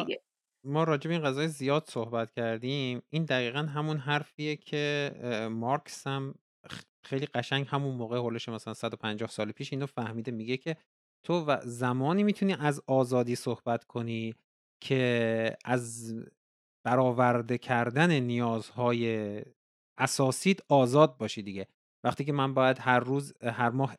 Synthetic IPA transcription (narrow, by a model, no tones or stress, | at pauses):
mɒːɾɒːd͡ʒebeinʁæzɒːjezijɒːd̪̥so̞hbæt̪cʰæɾd̪imind̪æɣiːɣænɦæmunɦæɾfiːjecʰe̞mɒɾkʰsæm | xejliːɢæʃæɲɟhæmunmoːɣeholeʃemæsælænsæd̪opʰænd͡ʒɒːhsɒːlepʰiːʃiːnofæhmiːd̪emiɟe̞cʰe̞ | t̪ʰovæzæmɒːniːmit̪ʰuniːʔæzɒːzɒːd̪iːsohbæt̪ʰkʰo̞niː | cʰe̞æz | b̥æɾɒːvæɾd̪ecʰæɾd̪æne̞nijɒːzhɒːje̞ | æsɒːsiːd̪̥ɒːzɒːd̪̚bɒːʃiːd̪iɟe̞ | væχt̪ʰiːcʰe̞mænbɒːjæd̪hæɾːuːzhæɾmɒːh